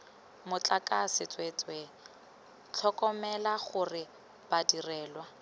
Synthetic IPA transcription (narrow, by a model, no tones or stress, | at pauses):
mʊt͡ɬʼakʼasɪt͡sʼwet͡sʼwe | t͡ɬʰɔkʼɔmɛlaχʊrɪ | badirɛːlwa